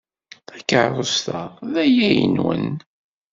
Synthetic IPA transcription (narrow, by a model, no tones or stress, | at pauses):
θækːəʕɾˤʊst̪əʁðæjæjə̰nwə̰n